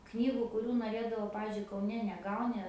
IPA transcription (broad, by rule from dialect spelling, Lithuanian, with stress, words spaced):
ˈknʲiːɡʊ kʊˈrʲuː noːˈrʲeːdɐʋɐʊ ˈpɑːʋʲɪzʲd͡ʒʲʊɪ kɐʊˈnʲɛ nʲɛˈɡɐʊnʲɪ